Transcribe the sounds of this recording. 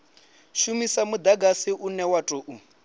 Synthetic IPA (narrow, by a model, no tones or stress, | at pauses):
ʃumisamud̪aɡasiʔunɛwatʼoʔu